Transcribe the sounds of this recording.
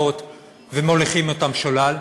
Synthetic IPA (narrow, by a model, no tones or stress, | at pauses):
ot̪ | vemoleχimotamʃolal